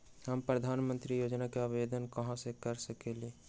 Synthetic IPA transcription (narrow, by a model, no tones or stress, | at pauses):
həmpɾəd̪ʱanmə̃nt̪ɾijod͡ʒnakeabed̪ənkəɦãsekəɾsəkeli